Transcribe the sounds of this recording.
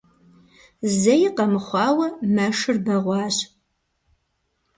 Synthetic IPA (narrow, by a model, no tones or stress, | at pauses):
zɐjɪqɐmɨχʷɑːwɐmɐʂɨrbɐʁʷɑːɕ